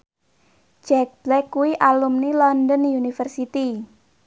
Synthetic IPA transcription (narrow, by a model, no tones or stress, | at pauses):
d͡ʒɛk̚b̥lɛkːuwiʔalumnilɔndɔnunifərsit̪i